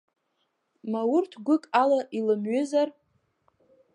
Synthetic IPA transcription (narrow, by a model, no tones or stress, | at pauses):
mawʊrtʰɡʷʊkʼalaʔilɨmɥʏzar